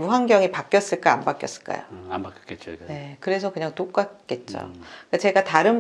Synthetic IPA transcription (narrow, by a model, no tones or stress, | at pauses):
muɦaŋɡjʌŋipak͈jʌs͈ɯɭk͈aa̰mbak͈jʌs͈ɯ̥ɭk͈a̰jo̰ambakket͡ɕone̞kɯɾe̞sʰʌkɯɲaŋtok͈ak͈e̞t̚t͡ɕ͈o̰k͈at͡ɕe̞ɡataɾɯn